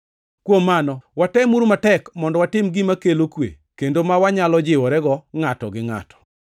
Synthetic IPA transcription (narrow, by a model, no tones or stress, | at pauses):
kwomːanɔwatɛmuɾmatɛkmɔndɔwatɪmɡɪmakelokwḛ | kendomawaɲalɔd͡ʒɪwɔɾɛɡɔŋatɔ̰ɡɪŋa̰tɔ̥